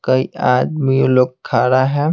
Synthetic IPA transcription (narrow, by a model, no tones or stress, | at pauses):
kɐiʔaːd̪mioloːɡ̚kʰːaːɾaɦɛː